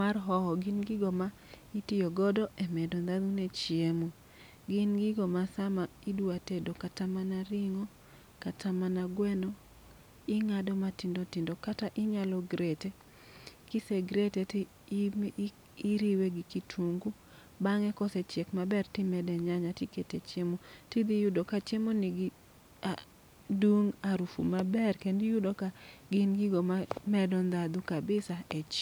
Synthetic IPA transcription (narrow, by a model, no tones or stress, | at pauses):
arɦɔhɔɡɪnɡɪɡɔma | itɪjoɡɔdɔʔɛmɛdond̪aðunɛt͡ʃjemu | ɡɪnɡɪɡomasamaidwuatedokatamanaɾɪŋɔ | katʰamanaɡwɛnɔ | ɪŋadɔmatindotindokataʔɪɲalɔɡɾete | kiseɡɾetet | iɾiweɡɪkitʰuŋɡu | baŋɛkɔsɛt͡ʃɛkmabɛrtɪmɛdɛɲaɲatɪketet͡ʃemotid̪ijʊdokat͡ʃemonɪɡ | a | duŋaɾufṵmabɛrkendɪjʊdokaɡɪnɡiɡomamɛdɔnd̪ad̪ukabɪsaet͡ʃ